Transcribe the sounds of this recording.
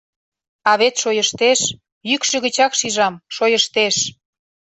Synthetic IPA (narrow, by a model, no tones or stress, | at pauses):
ɑβet̪ʃojəʃt̪eʃ | jykʃĕɣə̆t͡ɕɑkʃiʒɑmʃojəʃt̪eʃ